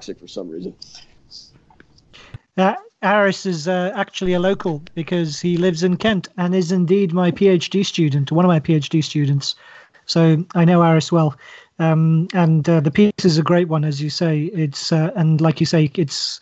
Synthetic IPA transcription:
sɨkfə˞sʌ̃mɹḭzə̃n̩ | ʌæɹɪsɪzʌak̚t͡ʃul̩ˠiɨloʊkʰəl̩ˠb̥ɨkʰʌz̥hilɪvzɨ̃nkʰɛ̃ntɨ̃nɪzɪ̃ndid̚maɪpʰieɪt͡ʃd̥istʉdⁿn̩twʌ̃nʌvmaɪpʰieɪt͡ʃd̥istʉdⁿn̩ts | oʊaɪñoʊæɹɨswɛlˠ | ʌ̃mə̃nʌðɨpʰisɨzɨɡɹeɪʔ̚wʌ̃nɨzjɨseɪɪtsʌə̃nlaɪkjɨseɪɪts

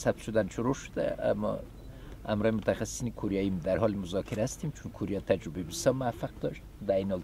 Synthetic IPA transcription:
sab̚t̪ʃʊd̪anʃʊɾoʃʊd̪æ̰a̰mːɔ̰ | hamɾɒːjimʊt̪ʰaxassinikʰoɾijɑjimd̪æɾɦɒlmʊzɑkʰiɾhast̪imt͡ʃʰunkʰoɾijɑt̪ʰad͡ʒɾʊbebisɔmʊafaq̚d̪ɒʃt̪d̪æjiniɔl

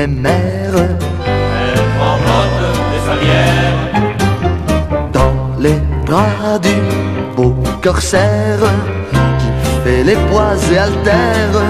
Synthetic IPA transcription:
emɛ | ʁ | ɛlfɑ̃fɔt̪lefaljɛʁ | d̪ɑ̃ | lebʁad̪y | bokɔʁsɛʁ | kʲifɛlepwazealt̪ɛʁ

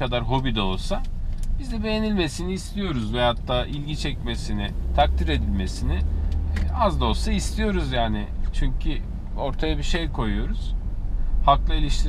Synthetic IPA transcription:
ad̪aɾɦo̞bid̪ɛolˠsab̥izd̪ɛbe̞jenilʲme̞siniːst̪ʰijo̞ɾuzvɛɦat̪ʰːaːʔilʲɟit͡ʃʰɛcme̞sinɪt̪ʰak̚t̪ʰiɾe̞d̪ilʲme̞sinɪ | azd̪o̞saist̪ʰijo̞ɾuzjaːnɪt͡ʃʰyɲcʰy | o̞ɾt̪ʰajabiʃe̞jkʰo̞jujo̞ɾuz̥ | haklˠɯilʲiʃt̪ʰiɾ

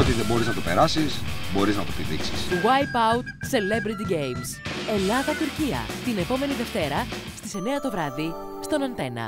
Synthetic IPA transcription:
ot̪iðebo̞ɾiznɐt̪ope̞ɾɐsisbo̞ɾiznɐt̪op̪iðḭksi̥sɣwɐjpɐwt̪̚se̞le̞bɾit̪iɟe̞jmse̞lɐðɐt̪uɾciɐ̰t̪ine̞po̞me̞niðe̞ft̪e̞ɾɐ | st̪i̥se̞ne̞ɐt̪o̞vɾɐði | st̪o̞nɐnt̪e̞nɐ̰

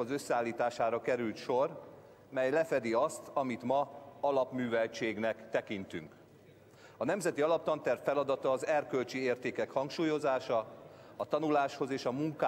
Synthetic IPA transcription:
ɒzø̞sːɛaːlːiːt̪aːʃaːɾɒkɛɾylt̪ʃo̞r | mɛjlɛfɛd̪iɒst̪ɒmit̪mɒɒlɒpmyːvɛlt͡ʃeːɡnɛkt̪ɛkint̪y̰ŋk | ɒnɛmzɛt̪iɒlɒp̚t̪ɒnt̪ɛrfɛlɒd̪ɒt̪ɒːzɛrkø̞lt͡ʃieːrt̪eːkɛkhɒŋkʃuːjo̞zaːʃɒɒt̪ɒnulaːʃho̞zeːʃɒmuŋka

